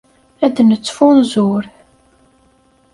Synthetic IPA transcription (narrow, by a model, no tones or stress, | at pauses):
æd̪nət͡sːfʊnzʊɾ